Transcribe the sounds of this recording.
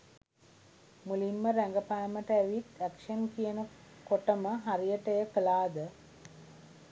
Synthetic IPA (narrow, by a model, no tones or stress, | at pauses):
mulimːəɾæŋɡəpajəməʈəæʋit̪ækʂənkijənə | koʈəməɦaɾijəʈəjəkəlaːd̪ə